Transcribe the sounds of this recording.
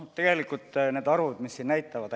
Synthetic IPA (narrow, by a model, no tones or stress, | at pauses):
t̪ːe̞ɡ̥e̞likult̪ne̞ːd̪̥ɑɾvud̪misːinnæjt̪ːˑɑvɑd̪